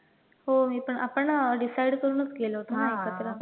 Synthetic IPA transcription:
ɦomiːpəɳʔapəɳɖisajɽkəɾunət͡skelɦot̪anaekat̪ɾə

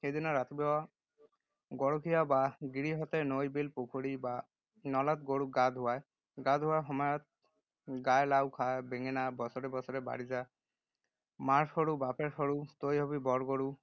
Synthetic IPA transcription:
ed̪inɔɾat̪ibɛwa | ɡɔɽokʰijabaɡiɾiɦɔt̪enojbelpokʰoɽiba | nɔlat̪ɡoɽuɡad̪ʱɦuwaj | ɡad̪ʱɦuwaɦɔmɔjɔt̪̚ | ɡajlawkʰaebeŋenabɔsɔɾebɔsɔɾeba̰ɽiza | maɾsɔɽubapeɾsɔɽut̪ojɦɔbibɔɾɡoɽu

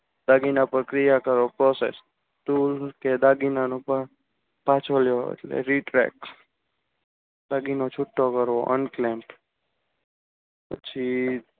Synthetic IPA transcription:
d̪aɡinapəɾkɾijakəɾʋopɾɔsḛs | t̪ulked̪aɡinanũpəɾ | pãt͡ʃʰoljoḛʈlḛɾiʈɾɛ̰k | d̪aɡinot͡ʃʰʊʈːokəɾʋoʔə̰nklemʈ | pət͡ʃʰi

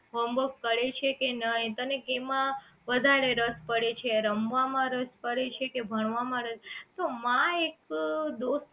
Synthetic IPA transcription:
ʋəmbəkkəɽet͡ʃʰekenəɦĩt̪ənekemã | ʋəd̪ʱaɾeɾəspəɽet͡ʃʰeɾəmʋamãɾəspəɽet͡ʃʰekebʱəɳ̃ʋamãɾəst̪omãekd̪os

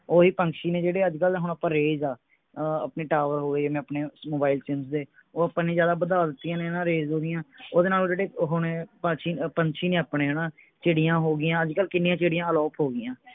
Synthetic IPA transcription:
oːɦiːpəŋkʃiːnẽːd͡ʒeːɽeːəd͡ʒkəlɦʊɳ̃aːpãːɾeːzaː | a̰ːpneːʈaːʋəɾɦoːɡeimɛ̃ːəpneːmoːbaːɪlt͡ʃɪmsd̪eː | oːaːpãːneːzjaːd̪aːbəd̪aːd̪ɪt̪ːijãːnenãːɾeːzɦoːɡɪjãːoːd̪eːnaːlõːd͡ʒeːɽeːɦʊɳpət͡ʃʰiːpəɲt͡ʃʰiːnẽːaːpneːɦenãː | t͡ʃeːɽɪjãːɦoːɡɪjãːəd͡ʒkəlkɪnːijãːt͡ʃeːɽɪjãːəlɔːpʰɦoːɡɪjãː

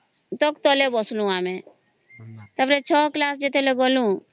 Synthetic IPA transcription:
t̪ɔkt̪ɔlebɔslũaːmẽ | t̪əbɾet͡ʃʰɔːklaːsd͡ʒet̪ʰeleɡɔlũ

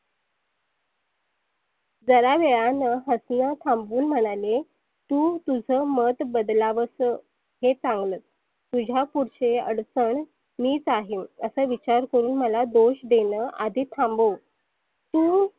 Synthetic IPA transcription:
d͡zəɾaʋeɭanəɦəsnət̪ʰãmbuːnm̤əɽ̃ale | t̪uːt̪ud͡zʱəːmət̪bəd̪laʋəsə | ɦet͡sãŋɡləːt̪̚ | t̪ud͡ʑʱapuɽɕeə̰ɽt͡səɳ | miːt͡saɦiməsəːʋit͡ɕaɾkəɾuːnməlad̪oɕd̪enəʔad̪ʱit̪ʰambəw | t̪uː

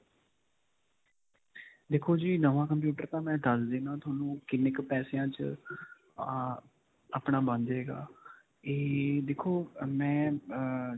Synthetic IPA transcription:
d̪eːkʰoːd͡ʒiːnəʋãːkəmp̬juːʈəɾt̪ãːmɛ̃ːɖəsd̪eːnãːt̪ʰʊaːnũːkɪnɪkpɛːsejãːt͡ʃ | aːpɳaːbə̃nd͡ʒ̪eːɡa̰ː | eːd̪eːkʰːoːmɛ̃ː

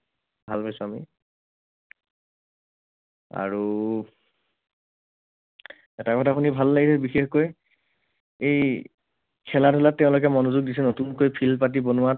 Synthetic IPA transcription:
bʱalpasuami | a̰ɹu | ɛtakɔtʰapunibʱalːaɡisɛbixexkoj | ej | kʰɛladʱɔlat̚ːɛ̃ʊ̃lok̬ɛmɔnozuɡ̚disɛnotunkojpʰilpat̬ibonʊwa

